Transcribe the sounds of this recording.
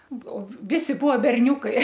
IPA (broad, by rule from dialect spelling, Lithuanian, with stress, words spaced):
oː ˈʋʲɪsʲɪ ˈbuɔ bʲɛrʲˈnʲuːkɐɪ